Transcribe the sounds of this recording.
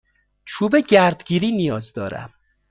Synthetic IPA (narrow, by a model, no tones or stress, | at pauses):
t͡ʃʰuːbeɟæɾd̪ɡiːɾiːnijɒːzd̪ɒːɾæ̰m